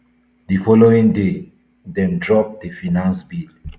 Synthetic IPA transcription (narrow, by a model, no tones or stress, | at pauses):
difɔloĩŋde | dɛ̃mdɹɔp̚dəfinãnsbil